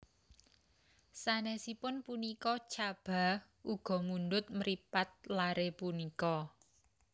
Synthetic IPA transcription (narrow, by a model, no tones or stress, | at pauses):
sanɛsipʊnpunikɔt͡ʃab̥a̤ | ʔuɡ̥ɔ̤mund̪ʊt̪̚məɾipat̪̚laɾepunikɔ